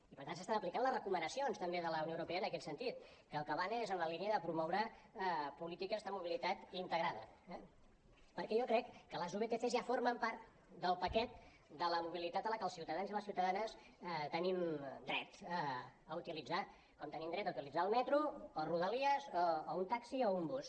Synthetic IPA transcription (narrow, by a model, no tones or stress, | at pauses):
ipəɾt̪ansəst̪anəplikanlərəkumənəsionst̪əmbeðələuniowuɾupeənəkɛt̪sənt̪it̪̚kəːlˠkəβanezənnəliniəðəpɾumɔwɾə | pulit̪ikəzðəmuβilit̪at̪int̪əɣɾaðəɛ | pəɾkɛjokɾɛkːələzuβet̪eθezjafoɾməmpaɾt̪ | d̪əlˠpəkɛt̪̚ | d̪ələmuβilit̪at̪ənləkəlˠsiwt̪əðanziləsiwt̪əðanəs | t̪ənimd̪ɾɛt̪əəut̪ilid͡za | kɔmt̪ənimnd̪ɾɛt̪əut̪ilid͡zaːlˠmɛt̪ɾuoruðəliəzoount̪aksioumbus